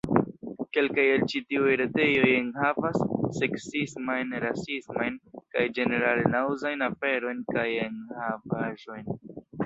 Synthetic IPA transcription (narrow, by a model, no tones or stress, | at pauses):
ke̞lkajelt͡ʃitiujɾete̞jo̞jeŋhavasːe̞ksismajnɾasismajnkajd͡ʒe̞ne̞ɾalnawzajnafe̞ɾo̞jnkajeŋhavaʒo̞jn